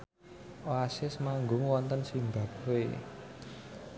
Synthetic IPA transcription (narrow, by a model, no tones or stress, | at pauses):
ʔoasɪsmaŋɡʊŋwɔnt̪ənsimbä̤p̚we